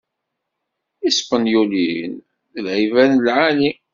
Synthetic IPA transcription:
ispənjulin | lʕivænlʕali

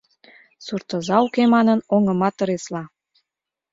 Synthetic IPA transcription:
surt̪ə̆zɑukemɑnənoŋə̆mɑt̪ːə̆ɾeslɑ

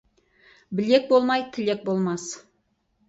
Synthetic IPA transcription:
bɪle̞k̚bo̞lˠmɑjt̪ʰɪle̞k̚bo̞lˠmɑs

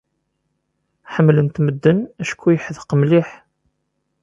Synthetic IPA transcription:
ħəmːlənt̪məd̪ːənæʃkʰːujəħðqəmliħ

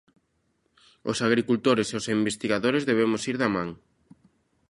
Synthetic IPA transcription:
o̰saɣɾikult̪oɾeseosimbest̪iɣaðoɾezðeβ̞emʊsiɾðamãŋ

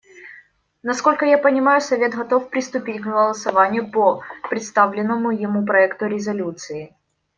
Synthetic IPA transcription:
nɐsko̞lʲkəjapənʲɪmajʊsɐvʲe̞t̪ɣɐt̪o̞fpɾʲɪst̪ʊpʲitʲkɣəlˠəsɐvanʲɪjʊpəpɾʲɪt̪st̪avlʲɪnːəmʊjɪmup̬ɾɐɛkt̪ʊɾʲɪzɐlʲut̪sɨɪ

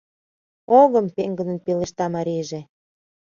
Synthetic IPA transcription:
oɣəmpeŋɡə̆nə̆npeleʃt̪ɑmɑɾiʒe

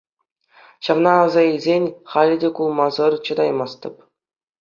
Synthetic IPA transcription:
ɕɑvnɑːzɑilʲzʲenʲχɑlʲɘ̆dʲekulˠmɑzɤ̆rt͡ɕɤ̆d̪ɑjmɑst̪ɤ̆p

